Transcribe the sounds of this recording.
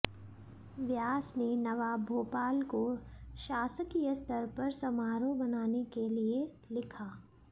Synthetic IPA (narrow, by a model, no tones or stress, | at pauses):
ʋjaːsnenɐʋaːbʱoːpaːlkoʃaːsəkijəst̪ʰəɾpɐɾsɐmaːɾõbɐnaːnekelie | lɪkʰaː